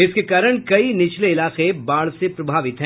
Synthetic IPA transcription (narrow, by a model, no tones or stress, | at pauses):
ɪskekaːɾəɽ̃kɐinɪt͡ʃʰleɪlaːqebaːɭsepɾɐbʱaːʋɪt̪ɦɛ̃